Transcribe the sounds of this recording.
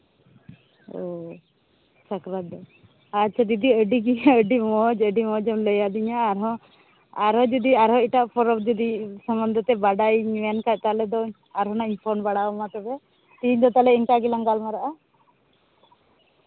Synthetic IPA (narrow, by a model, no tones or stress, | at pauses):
ɔ | sakɾaɔ | atːt͡ʃʰad̪id̪iəɖiɡiɲaəɖimɔd͡ʒəɖimɔd͡ʒɔmləjad̪iɲaːɾɦɔ̃ | aɾɦɔ̃d͡ʒɔd̪iaɾɦɔ̃iʈaʔpʰɔɾɔb̚d͡ʒɔd̪isɔmbɔnd̪ʱɔt̪ɛbaɖajɲankaʔ̚t̪alɛd̪ɔ | aɾɦɔnaiɲpʰɔɾnbaɽaɔmat̪ɔbɛ | t̪iɲd̪ɔt̪alɛiɲkaɡilaŋɡalmaɾaʔa